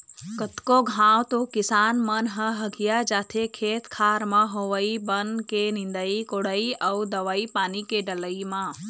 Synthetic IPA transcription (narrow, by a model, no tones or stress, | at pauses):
kət̪koɡʱãːwt̪okɪsaːnmɐnɦəɦəɡijad͡ʒaːt̪ʰekʰeːt̪kʰaːɾmãɦoːʋəibənkenɪ̃nd̪əikoɽəiʔɐud̪ɐʋaipaːnikeɖələimã